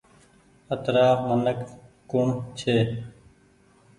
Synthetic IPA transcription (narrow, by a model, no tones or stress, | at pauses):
ət̪ɾaːmənək | koːɳt͡ʃʰeː